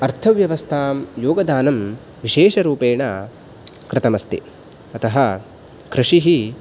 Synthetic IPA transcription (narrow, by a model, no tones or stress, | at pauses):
ɐɾt̪ʰɐʋjɐʋɐst̪ʰaːmjoːɡɐd̪aːnɐm | ʋiʃeːʃɐɾuːpeːɳɐ | kɾɪt̪ɐmɐst̪ḭ | ɐt̪ɐɦɐ | kɾɪʂiɦi